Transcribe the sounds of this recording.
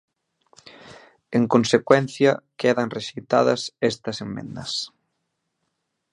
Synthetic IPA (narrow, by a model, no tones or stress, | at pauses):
eŋkonsekwɛn̟θjɐkeðɐŋreʃit̪aðɐ̰sɛst̪ɐsemmḛ̃nd̪ɐs